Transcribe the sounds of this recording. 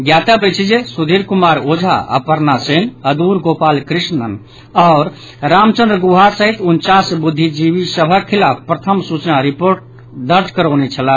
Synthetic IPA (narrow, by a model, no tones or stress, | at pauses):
ɡjat̪əbet͡ʃʰid͡ʒesud̪ʱiɾkumaɾod͡ʒʱa̰ʔə̰pəɾnasenəd̪uɾɡopalkɾisnən | ɔʊɾ | ɾamt͡ʃə̃nd̪ɾəɡuɦaɾsəɦit̪unt͡ʃasbud̪ʱːid͡ʒibisəbʱəilapʰpɾət̪ʰəmsut͡ʃnaɾipoɾʈ̚ | d̪əɾd͡ʒʱkəɾənet͡ʃʰəla